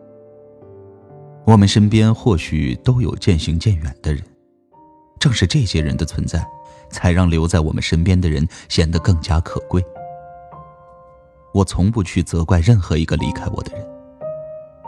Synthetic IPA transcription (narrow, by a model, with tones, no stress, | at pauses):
wɔ˨˩mə˦nʂə˥npjɛ˥nxwɔ˥˩ɕy̰˨˩t̪o˥ʊjo̰˨˩ʊt͡ɕjɛ˥˩nɕi˧˥ŋt͡ɕjɛ˥˩nɥɛ˨˩nd̪̥ə˦ɻə˧˥n | ʈ͡ʂɤ˥˧ŋʂɻ̩˥˧ʈ͡ʂɤ˥˩ɕjɛ˥ɻə˧˥nd̪ə˧t͡sʰwə˧˥nt͡sa˥˩ɪ | t͡sʰa˧˥ɪɻɑ˥˩ŋljo˧˥ʊt͡sa˥˩ɪwɔ˨˩mə̰˦nʂə˥npjɛ˥nd̪ə˨ɻə̰˧˥nɕjɛ˨˩nd̪ə˧kɤ˥˩ŋt͡ɕja˥kʰɤ˨˩kwe˥˩ɪ | wɔ˨˩t͡sʰʊ˧˥ŋpu˥˧t͡ɕʰy˥˩t͡sɤ˧˥kwa˥˧ɪɻə˥˩nxɤ˧˥i˧˥ɡə˧lḭ˧˥kʰa˥ɪwɔ̰˨˩d̪ə˦ɻə˧˥n